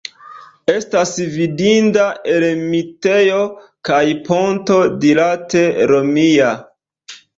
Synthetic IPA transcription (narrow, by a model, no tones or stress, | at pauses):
e̞stasvidindaʔe̞lmitejo̞ | kajpo̞nto̞dilate̞ɾo̞mia